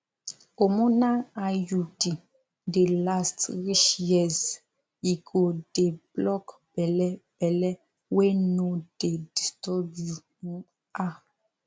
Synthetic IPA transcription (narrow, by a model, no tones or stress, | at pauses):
omɔ̃naajudi | delastɹiʃjɛz | iɡodeblɔkb̥ɛlɛb̥ɛlɛ | wenod̥edistɔu | a